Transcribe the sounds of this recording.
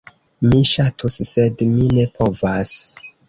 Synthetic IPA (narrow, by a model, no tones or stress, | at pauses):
miʃatʰusːedmine̞pʰo̞vas